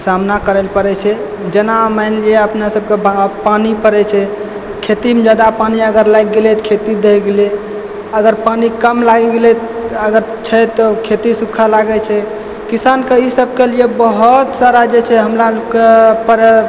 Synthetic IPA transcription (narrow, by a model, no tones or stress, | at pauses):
samnakəɾɛlpəɾɛt͡ʃʰɛ | d͡ʒənamaɪnlieəpnasəb̚keapanipəɾɛt͡ʃʰɛ | kʰet̪imed͡ʒad̪apaniəɡəɾlajɡɡelɛt̪kʰet̪id̪eɦɡele | əɡəɾpanikəmlaɡɡelɛəɡəɾ | t͡ʃʰɛt̪ɔkʰet̪isukʰːalaɡɛt͡ʃʰɛ | kisankeisəb̚ʱkelijebəɦut̪saɾad͡ʒet͡ʃʰɛɦəmɾakepəɾ